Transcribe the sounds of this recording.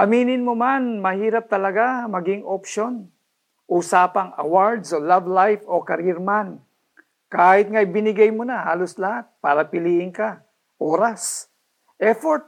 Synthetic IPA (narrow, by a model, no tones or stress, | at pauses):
ʔɐmiːnɪnmomanmɐhiːɾap̚t̪ɐlɐɡamɐɡɪŋʔopʃo̞n | ʔuːsaːpɐŋɐ̰waɹd̪solavlajfokɐɾɪɾman | kaːhɪt̪̚ŋajbɪnɪɡajmonahaːloslɐhat̪̚paːɾɐpɪliːʔɪnka | ʔoːɾas | ʔɛfoɹt̪̚